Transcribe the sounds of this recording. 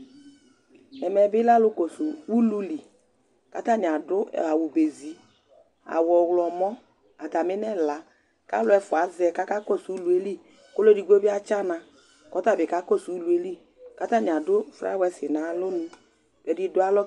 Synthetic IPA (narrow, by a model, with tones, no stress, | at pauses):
ɛ˨mɛ˨bɪ˦la˦lʊ˦ko˨su˨wu˦lu˦li˨ | ka˨˦ta˦˨ɲi˨a˨dʊ˦ɛ̰˨a˨wu˨be˨zi˨˦ | a̰˨wɔ˨wlɔ˨mɔ˦ | a˨ta˨mɪ˦nɛ˦˨la˨ | ka̰˦lʊ˦ɛ˧fʊ˨a˨˦zɛ˧ka˦ka˦ko˦˨su˨u˦lu˨˦e˦li˦ | ko˦lo˦di˧ɡʷo˦bi˦a˦t͡ʃa˦na˧ | kɔ˦ta˦˨bɪ˨ka˦ko˦˨su˨u˦lu˨˦e˦li˦ | ka˦ta˦ni˨a˨dʊ˦˨fɾa̰˦wɛ˧sɪ˨na˨˦lʊ˦nũ˧ | b̥ɛ˨di˧dʊ˨˦a˦lɔ˦